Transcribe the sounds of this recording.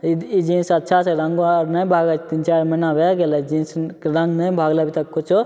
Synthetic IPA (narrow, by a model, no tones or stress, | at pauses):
iid͡ʒĩːnsɐtːʃʰat͡ʃʰeɾɐŋɡonɐĩbʱaːɡat͡ʃʰt̪int͡ʃaːɾmɐnabeɡeled͡ʒĩːnsɾɐ̃ŋɡnɐĩbʱaːɡlabit̪ɐkːʊt͡ʃʰo